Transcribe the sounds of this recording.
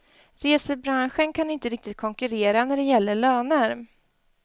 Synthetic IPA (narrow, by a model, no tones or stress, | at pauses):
ɾeːsəbɾanɧənkʰanɪnt̪əɾɪk̚t̪ɪt̪̚kʰɔŋkɵɾeːɾanæɖɛjɛlːəɭœːnəɾ